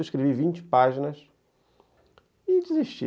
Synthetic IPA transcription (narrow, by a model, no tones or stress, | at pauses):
iʃkɾevivĩnt͡ʃɪ̥paʒinɐʃ | id͡ʒiziʃt͡ʃḭ